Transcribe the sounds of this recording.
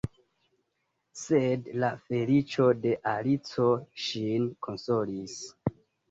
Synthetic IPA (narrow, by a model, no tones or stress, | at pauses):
se̞dlafe̞lit͡ʃo̞de̞ʔalit͡so̞ʃinkʰo̞nso̞lis